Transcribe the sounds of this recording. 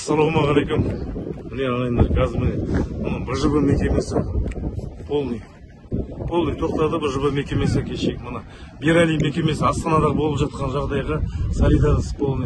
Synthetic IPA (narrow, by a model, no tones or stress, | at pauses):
sːɑlˠowmɑʁɑlejkʲummɪneɑnɑjnd̪ɑɾɡazmɪnemənəbɪʒəbəme̞kʲe̞me̞sɪ | pʰo̞lˠnij | pʰo̞lˠnijt̪ʰo̞q̚t̪ɑd̪əbɪʒəbəme̞kʲe̞me̞skʲʰeʃekʲmənɑ | biɾalijme̞kʲe̞me̞sɪɑst̪ɑnɑd̪ɑʁəbo̞lˠəpʒɑt̪̚qɑnʒɑʁd̪ɑjʁɑsalʲijd̪ɑnəspo̞lˠni